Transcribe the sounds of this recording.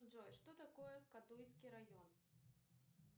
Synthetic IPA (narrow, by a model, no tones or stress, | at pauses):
ʐɔjʂt̪ɔt̪akɔjɛkat̪ujsʲkʲiɾajɔn